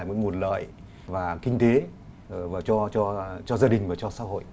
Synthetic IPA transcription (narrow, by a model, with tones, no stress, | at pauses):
jmo̰˨˧˦ŋmu˨˩t̚lə̰ː˧˨j | vaː˨˩kï˧ŋ̟t̪e˨˦ | vaː˨˩t͡ɕɔ˧t͡ɕɔ˧t͡ɕɔ˧zaː˧ɗï˨˩ŋ̟vaː˨˩t͡ɕɔ˧sa̰ː˧˥ɦo̰˧˨jʔ